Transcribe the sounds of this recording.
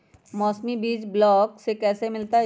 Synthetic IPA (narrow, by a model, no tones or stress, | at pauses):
mɔːsmibiːd͡ʒblɔːksekɛːsemɪlt̪a